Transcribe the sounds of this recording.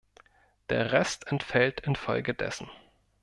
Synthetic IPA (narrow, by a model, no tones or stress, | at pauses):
d̥eːɐʁɛstɛntfɛltʰɪnfɔlɡədɛ̰sn̩